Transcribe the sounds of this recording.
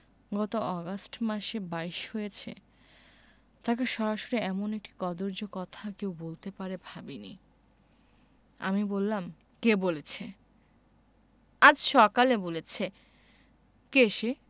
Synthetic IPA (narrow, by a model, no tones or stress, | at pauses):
ɡɔt̪oɔɡasʈmaʃebajʃhojet͡ɕʰḛ | t̪akeʃɔɾaʃoɾiɛmonek̚ʈi̥kɔd̪oɾd͡ʑokɔt̪ʰakewbolt̪epaɾebʱabinḭ | a̰mibolːam | kebolet͡ɕʰe | ad͡ʑʃɔkalebolet͡ɕʰe | keʃe